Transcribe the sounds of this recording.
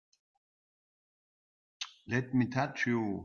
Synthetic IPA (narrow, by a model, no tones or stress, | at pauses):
lɛtmit̪ʰat͡ʃju